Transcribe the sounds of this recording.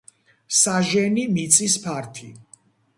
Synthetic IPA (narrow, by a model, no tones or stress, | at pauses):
saʒɛnimit̪sʼispʰaɾt̪ʰḭ